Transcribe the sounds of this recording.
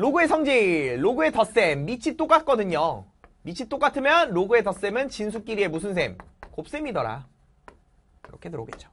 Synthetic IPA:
loɡue̞sʰʌŋd͡ʑiɾoɡue̞tʌs͈e̞mːit͡ɕʰit͈ok͈at̚k͈ʌdɯɲo | mit͡ɕʰit͈ok͈atʰɯmjʌnɾoɡue̞tʌs͈e̞mɯnt͡ɕins̬ʰuk͈iɾie̞musʰɯnsʰe̞mkop̚s͈e̞midʌɾa̰ | kɯɾʌkʰe̞tɯɾo̰ɡḛt̚t͡ɕ͈o̥

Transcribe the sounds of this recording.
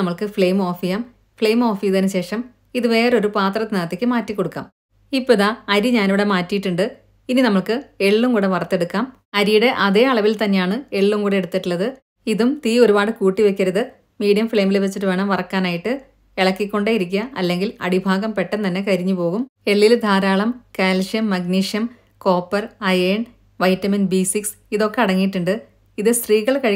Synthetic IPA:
ɐmːɐɭkɨfɭejmo̞ːfijaːm | fɭejmo̞ːfijðenɨɕe̞ːʂɐm | iðɨʋe̞ːreo̞ɾupaːt̪rɐt̪inɐɐt̪ːikʲːɨmaːtːikːo̞ɽukːa̰ːm | ipːoiðaɐɾiɲaːnʋiɽe̞maːtːijiʈːuɳɖɨ | ininɐmːɐɭkɨe̞ɭːumkuːɽeʋɐrɐt̪ːe̞ɽukːaːm | ɐɾijuɽe̞ʔɐðe̞ːɐɭɐʋilt̪ɐnːe̞jaːɳɨe̞ɭːumkuːɽeeɽut̪ːiʈːuɭːɐðɨ | iðumt̪iːo̞ɾubaːɽɨkuːʈːiʋekʲːɐɾɐðɨ | miːɽijɐmfɭe̞ːmilʋet͡ɕːiʈːɨʋeːɳɐmʋɐrɐkːaːnaːjiʈːɨ | eɭɐkːikʲːo̞ɳɖeːjiɾik̬ʲːɐɐlːe̞ŋɡilɐ̰ɽibʱaːɡɐmpe̞ʈːɐnt̪ɐnːe̞kɐɾiɲːupo̞ːɣume̞ɭːild̪ʱaːɾaːɭɐmkaːlʂjɐmːɐɡniːʂjɐm | ko̞ːpːɐrɐjeːɳ | ʋɐjtːɐminbisiks | iðo̞kːe̞ɐɽɐŋːijʈːuɳɖɨ | iðɨst̪riːɣɐɭkɐɻ

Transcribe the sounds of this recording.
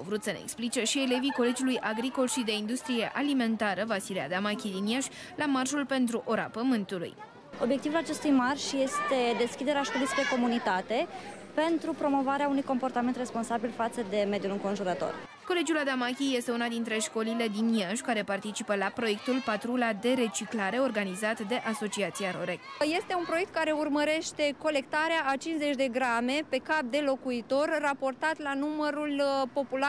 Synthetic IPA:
wvɾut̪sənḛḛksplit͡ʃe̞ʃie̞le̞viko̞le̞d͡ʒulujʔaɡɾiko̞lʃid̪e̞ind̪ust̪ɾije̞ʔalime̞nt̪aɾəvasilia̰d̪amakʲid̪injaʃʲ | lamarʒulpe̞nt̪ɾuʔo̞ɾa̰pəmɨnt̪ulṵj | o̞bjekt̪ivulat͡ʃe̞st̪ujmarʒje̞st̪e̞d̪e̞skʲid̪e̞ɾeaʃko̞lispeko̞munit̪at̪e̞ | pe̞nt̪ɾupɾo̞mo̞vaɾeaunujko̞mpo̞rt̪ament̪re̞spo̞nsabilfat̪səd̪e̞me̞d̪julɨŋko̞nʒuɾət̪o̞̰r | ko̞le̞d͡ʒulad̪amakʲije̞st̪eunad̪int̪ɾe̞ʃko̞lile̞d̪injanʃkaɾe̞part̪it͡ʃipəlapɾo̞je̞k̚t̪ulpat̪ɾulad̪e̞ɾe̞t͡ʃiklaɾe̞o̞rɡanizat̪d̪e̞ʔaso̞t͡ʃiat̪sijaɾo̞ɾekje̞st̪e̞unpɾoe̞k̚t̪̚kaɾe̞urməɾe̞ʃt̪e̞ko̞le̞kt̪aɾeaːt͡ʃinze̞t͡ʃʲd̪e̞ɡɾame̞pe̞kap̚d̪e̞lo̞kuit̪o̞rːapo̞rt̪at̪lanuməɾulpo̞pula

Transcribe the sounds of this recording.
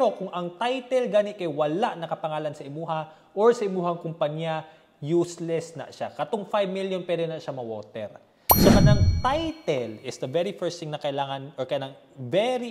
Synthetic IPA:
ɾokʊŋʔɐŋt̪ajt̪ɛlɡaːnɪʔkɐjwɐlaʔnɐkɐpɐŋaːlɐnsɐʔɪmuːɦɐ | ʔoɹsɐʔɪmuːhɐŋkʊmpɐɲjɐ | juːslɛsnɐ̰ʔʃakɐt̪oŋfajbmiljonpwɛd̪ɛnɐʔʃamɐwoːt̪ɛ̰ɾ | sokɐnɐŋt̪ajt̪ɛlɪsd̪ɐvɛɹifɛɹst̪iŋnɐkɐʔɪlaːŋɐnʔɔkɐjnɐŋ | vɛɾi

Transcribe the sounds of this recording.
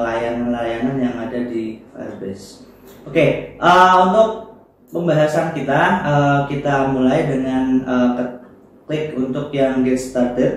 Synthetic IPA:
lajananlajananjaŋadadifa̰sbɛs | okeʔəunt̪ʊk̚ | pəmbaɦasankit̪aəkit̪amulajdəŋanəkət | lɪkunt̪ʊkjaŋɡɛt̪st̪ardət̪̚

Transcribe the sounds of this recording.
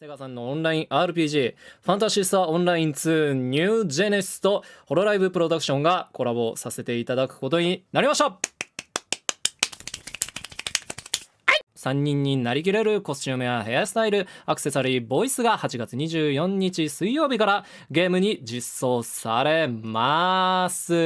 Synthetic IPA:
seɡasãnːo̞õnɾaĩʔaːɾɯ̟p̬ʲiːʑiːɸãnt̪aɕist̪aõ̞nɾaĩnt͡sɨːɲ̟ɨːd͡ʑe̞nesɨ̥t̪o̞ho̞ɾo̞ɾaibɯ̟pɯ̟ɾo̞d̪akɯ̟ɕõ̞ŋɡako̞ɾabo̞sase̞t̪e̞it̪ad̪akɯ̟̥ko̞t̪o̞ɲ̟inaɾʲimaɕoː | haisãɲ̟ːĩɲ̟ːinaɾʲik̬ʲiɾe̞ɾɯ̟ko̞sɕɨːme̞βaɦe̞jasɨ̥t̪aiɾɯ̟akɯ̥se̞saɾʲiːbo̞isɨɡahat͡ɕiɡat͡sɨɲ̟iʑɨːjõ̞ɲ̟ːit͡ɕisɨijo̞ːbʲikaɾa | ɡe̞ːmɯ̟ɲ̟id͡ʑisːo̞ːsaɾe̞masɨ

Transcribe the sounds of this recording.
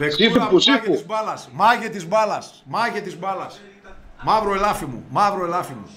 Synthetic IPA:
pekiɐpusikeuzbɐlɐsmɐʝet̪izbɐlɐs | mɐʝet̪izbɐlɐs | mɐvɾoelɐfimṵmɐvɾoelɐfimṵ

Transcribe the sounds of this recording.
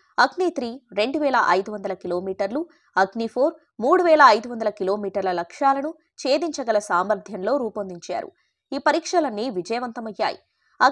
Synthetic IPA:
ɐɡnit̪ɾiːɾe̞ɳɖuʋɛːlɐʔɐjd̪uʋɐnd̪ɐlɐkilo̞ːmiːʈɐɾlu | ɐɡnipʰo̞ːɾ | muːɽuʋɛːlɐːjd̪uʋɐnd̪ɐlɐkilo̞ːmiːʈɐɾlɐlɐkʂaːlɐnu | t͡ʃe̞ːd̪iɲt͡ʃɐɡɐlɐsaːmɐɾd̪ʱjɐnlo̞ːɾuːpond̪iɲt͡ʃa̰ːɾṵ | iːpɐɾiːkʂɐlɐnːiʋid͡ʒɐjɐʋɐnt̪ɐmɐjːa̰ːjḭ | ɐ

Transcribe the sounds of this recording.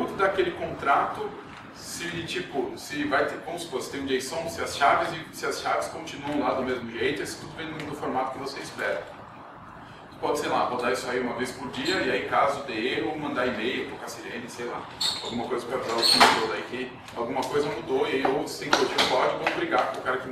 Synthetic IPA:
ũd̪ʊd̪akelɪkõnt̪ɾat̪ʊ | sɪt͡ʃipʊsɪvajt̪ekõw̃sposɪt̪ẽj̃d͡ʒiejsɐ̃w̃sɪɐsʃavɪzɪsɪɐsʃavɪskõt͡ʃinuɐ̃w̃lad̪ʊmezmʊʒejt̪ʊisɪ̥t̪ud̪ʊbẽd̪̃d̪ʊfoɾmat̪ʊ̥kɪvosezispɛ̰ɾɐ̰̃ | pɔd͡ʒɪsejla̰põd̪aisʊaiũmɐvejspʊɾd͡ʒiɐɪaikazʊd̪eeɦʊmɐ̃nd̪aimejʊt̪ɾokasilẽnɪsejla̰awɡũmɐkojzɐpɾavɾaʊkĩid̪ozaikɪ | awɡũmɐkojzɐmud̪oiaiowt̪ɾɐsẽj̃kod͡ʒiɐ̃pɔd͡ʒɪvɐ̃bɾiɡakõʊkaɾɐkɪ

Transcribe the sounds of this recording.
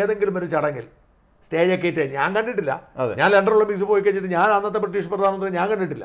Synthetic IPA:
eːðeŋɡilumʋɐɾut͡ɕɐɽɐŋɡil | steːd͡ʑok̬ːejitːeɲaːŋkɐɳɖiʈ̬ːilːɐ̰ɐðeɲaːnleɳɖɐruɭːɐmiks̬ɨpo̞ːjik̬ːɐɲːiʈːɨɲaːnɐnːɐt̪ːeprɐʈ̬ːiːʂɐprɐd̪ʱaːnɐnɐɲaːŋkɐɳɖiʈːilːɐ̰

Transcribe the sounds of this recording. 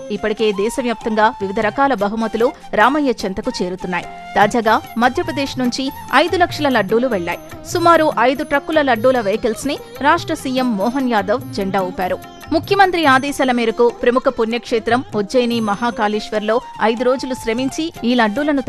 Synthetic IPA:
ipːɐʈike̞ːd̪ɛːsɐmjaːp̚t̪ɐŋɡaːʋiʋid̪ʱɐɾɐkaːlɐbɐɦumɐt̪ulu | ɾaːmɐjːɐt͡ʃɐnt̪ɐkut͡ʃe̞ːɾut̪unːaːji | t̪aːd͡ʒaːɡaːmɐd̪ʱjɐpɾɐd̪eːʂnuɲt͡ʃi | ɐjd̪ulɐkʂɐlɐlɐɖːuːluʋɛɭːa̰ːji | sumaːɾuʔɐjd̪uʈɾɐkːulɐlɐɖːuːlɐʋɐjkelsni | ɾaːʂʈɾɐsiːjemːɔːɦɐnjaːd̪ɐʋd͡ʒeɳɖaːuːpːaːɾu | mukʰjɐmɐnt̪ɾiaːd̪ɛːʃaːlɐmiːɾɐkupɾɐmukʰɐpunjɐkʂeːt̪ɾɐmod͡ʒɐjnimɐɦaːkaːliːʂʋɐɾlo̞ːɐjd̪uɾo̞ːd͡ʒuluʃɾɐmiɲt͡ʃiiːlɐɖːuːlɐnu

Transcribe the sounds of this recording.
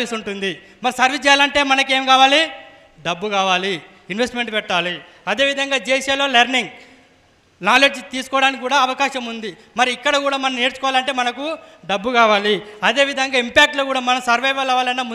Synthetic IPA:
isuɳʈund̪i | mɐɾisɐɾʋit͡ʃd͡ʒɛjaːlɐɳʈe̞ːmɐnɐke̞ːmkaːʋaːli | ɖɐbːukaːʋaːli | inʋesʈmeɳʈpɛʈːaːli | ɐd̪e̞ːʋid̪ʱɐŋɡaːd͡ʒeːʃɐloːlɐɾniŋɡ | naːle̞ːd͡ʒt̪iːsu̥kɔʋɐɽaːnikʲikːuːɽaːɐʋɐkaːʃɐmund̪i | mɐɾiːkːɐɽɐkuːɽaːmɐnɐnneːɾut͡ʃu̥kɔːʋaːlɐɳʈe̞ːmɐnɐkuɖɐbːukaːʋaːliɐd̪e̞ːʋid̪ʱɐŋɡaːimpaːk̚ʈloːkuːɽaːmɐnɐmsɐɾʋɐjʋɐlɐʋaːlɐnːaːmu

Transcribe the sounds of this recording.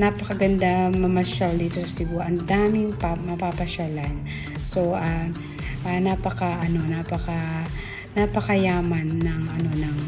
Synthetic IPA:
naːpɐkɐɡɐnd̪amɐmɐʃald̪iːt̪osɐsɪɡuʔɐnd̪aːmɪŋpamɐpapɐʃalan | so̞ʔa | ʔanaːpɐkaʔɐno̞naːpɐka | napɐkɐjaːmɐnːɐŋʔɐno̞nɐŋ

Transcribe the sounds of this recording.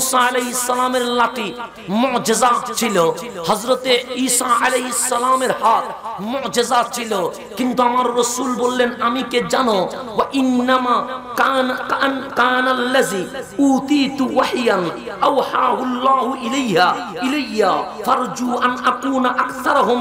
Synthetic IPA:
muːsaɐleɦisːɐlaːmeɾlaʈi | mʊʕd͡ʒɪzat͡ʃʰilo | hɐzɾɐt̪eiːsaɐleɦisːɐlaːmeɾhaːt̪mʊʕd͡ʒɐzat͡ʃʰilo | kint̪uɐmaɾːɐsuːlbolːenɐmiked͡ʒano | wɐʔinːɐmakanknkaːnalːɐziːuːt̪iːt̪waħjɐnʔɐwħaːɦulːaːɦuʔilajɦa | ilejːafɐɾd͡ʒuːʔɐnʔɐkuːnʔɐkt̪ɐɾɐɦʊm

